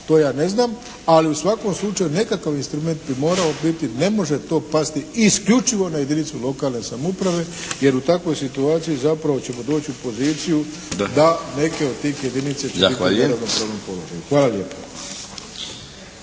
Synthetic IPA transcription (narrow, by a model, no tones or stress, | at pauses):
t̪o̞ːjaːne̞znaːm | aliusʋako̞mslˠut͡ʃajune̞kakaʋinst̪ɾume̞nt̪̚bimo̞ːɾaobit̪ine̞mo̞ʒe̞t̪o̞ːpast̪iiskʎut͡ʃiʋo̞naje̞d̪init̪sulˠo̞kaːlˠne̞samupɾaʋe̞je̞ɾut̪akʋo̞jsit̪uaːt̪sijizapɾaʋo̞t͡ɕe̞mo̞d̪o̞ːt͡ɕiupo̞ziːt̪siju | d̪ane̞ke̞o̞d̪̚t̪iːxje̞d̪init̪sat͡ɕebitineɾaʋnompɾoʋnompo̞loʒa̰juxʋaːlalje̞ːpo̥